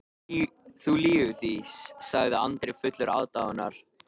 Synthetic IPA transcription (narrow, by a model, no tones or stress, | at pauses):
θuliːʏθisːaɣðɪa̰nt̪ɾɪfʏt̪lʏɾa̰ːwt̪awana̰ɾ̥